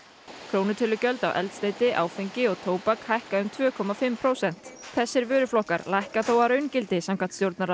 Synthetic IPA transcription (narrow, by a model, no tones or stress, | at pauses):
kʰɾoːwnɪt̪ʰʏlʏcœlt̪a̰wʔɛ̰lt̪st̪eːjt̪ɪʔa̰ːwfejɲcɪɔɣt̪ʰoːwpakhajhkaʏmt̪ʰvœːkʰɔmafɪmpʰɾowsɛn̥t̪θɛsːɪɾvʏːɾʏflɔhkaɾlajhkaθowaɾœɥncɪlt̪ɪsamkʰan̥t̪st̪jowɾt̪naɾa